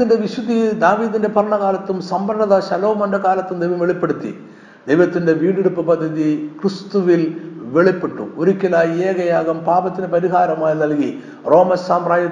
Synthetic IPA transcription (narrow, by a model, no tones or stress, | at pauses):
inde̞ʋiɕud̪id̪aːʋiːðinde̞bʱɐrɐɳɐɣaːlɐt̪ːumsɐmbɐɾɐɳɐðɐɕɐlo̞ːmɐndɐkaːlɐt̪ːumd̪ejʋɐmʋeɭipːeɽut̪ːḭ | d̪ejʋɐt̪ːinde̞ʋiːɖeɽupːɐpɐd̪ʱːɐðikrist̪uʋilʋe̞ɭipːeʈːṵoɾikʲːɐlaːjieːɣɐjaːɣɐmpaːbɐt̪ːinepɐɾiɦaːɾɐmaːjinɐlki | ro̞ːmɐssaːmraːjɐ